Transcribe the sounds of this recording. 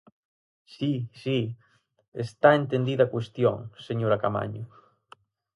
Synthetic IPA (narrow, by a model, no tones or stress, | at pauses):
sisi | est̪aent̪end̪iðakwest̪jo̰ŋseɲoɾakama̰ɲʊ